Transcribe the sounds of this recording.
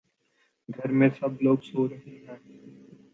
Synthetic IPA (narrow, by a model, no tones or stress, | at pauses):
ɡʱɐɾmẽsɐbloːɡsoːɾɐɦẽɦɛ̃ː